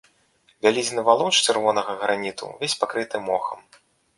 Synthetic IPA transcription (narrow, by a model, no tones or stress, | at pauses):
vʲalʲizʲnɨvalˠɔt͡ʂt͡ʃɨrvɔnɐɣɐɣɾanʲit̪ṵvʲesʲpakɾɨt̪ɨmɔxɐm